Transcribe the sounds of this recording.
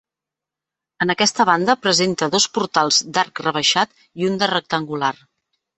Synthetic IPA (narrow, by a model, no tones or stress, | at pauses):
ənəkɛst̪əβ̞and̪əpɾəzent̪əðospuɾt̪alˠzd̪aɾkrəβ̞əʃat̪ | iund̪ərək̚t̪əŋɡular